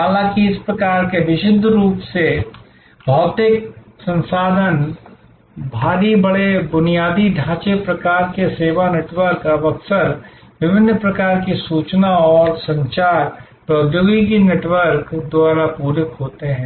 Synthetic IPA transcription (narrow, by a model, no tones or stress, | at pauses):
ɦaːlãːkiɪspɾɐkaːɾkeʋɪʃɪd̪ʱːɾuːpse | bʱɔːt̪ɪk | sɐ̃nsaːd̪ʱən | bʱaːɾibɐɽebʊnijaːd̪iɖʱãːt͡ʃepɾɐkaːɾkeseːʋaneːʈwəɾkɐbəksəɾ | ʋɪbɪnːpɾɐkaːɾkisuːt͡ʃnaɔːɾsɐ̃ɲt͡ʃaːɾ | pɾɐd̪joːɡik̬ineːʈwəɾkd̪ʊaːɾapuːɾɪkɦoːt̪eɦɛ̃ː